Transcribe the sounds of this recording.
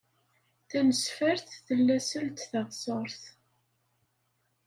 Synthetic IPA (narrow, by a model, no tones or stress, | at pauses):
θænəsfəɾθθəlːæsəlt̪θɑʁsˤəɾˤθ